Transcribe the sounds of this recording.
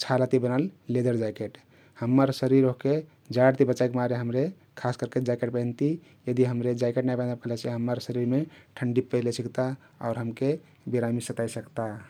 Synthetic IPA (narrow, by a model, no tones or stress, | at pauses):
t͡ʃʰalat̪ibənalled̪əɾd͡ʒajkeʈ | həmːəɾsəɾiɾoɦke | d͡ʒaɽt̪ibət͡ʃajkemaɾeɦəmɾe | kʰaskəɾked͡ʒaikeʈ̚pəɪnt̪i | jəd̪iɦəmɾed͡ʒajkeʈnajpənapkʰələsʰiɦəmːəɾsəɾiɾmeʈʰəɳɖipəjlesikt̪a | ɔʊɾɦəmke | biɾamisət̪ajsəkt̪a